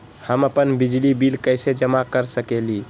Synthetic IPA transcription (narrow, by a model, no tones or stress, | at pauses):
həməpənbid͡ʒlibilkəjsed͡ʒəmakəɾsəkeli